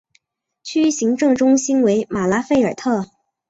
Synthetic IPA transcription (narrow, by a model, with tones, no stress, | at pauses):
t͡ɕʰy˥ɕi˧˥ŋʈ͡ʂɤ˥˧ŋʈ͡ʂʊ˥ŋɕi˥nwe˧˥ɪma˨˩la˥fe˥˩ɪə˞˨˩t̪ʰɤ˥˩